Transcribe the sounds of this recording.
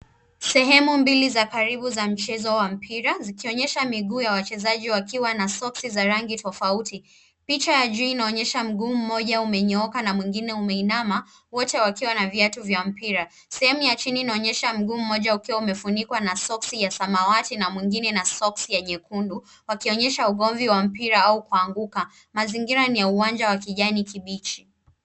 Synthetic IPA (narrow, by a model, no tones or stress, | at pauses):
sɛɦɛmumbilizakaɾiɓuzam̩t͡ʃɛzɔwam̩pʰiɾazikiɔɲɛʃamiɠuːjawat͡ʃɛzaʄiwakiwanasɔksizaɾaŋɡitɔfauti | pit͡ʃajaʄuinaɔɲɛʃam̩ɠuːm̩mɔʄaumɛɲɛɔkanamwiŋɡinɛumɛinama | wɔtɛwakiwanaviatuvjam̩piɾa | sɛhɛmujat͡ʃiniːnaɔɲɛʃam̩ɠuːm̩ːɔʄaukiwaumɛfunikwanasɔksijasamawatinamwiŋɡinɛnasɔksijaɲɛkundu | wakiɔɲɛʃauɠɔɱviwam̩piɾaaukuaŋɡuka | maziŋɡiɾanijauwand͡ʒawakiʄanikiɓit͡ʃi̥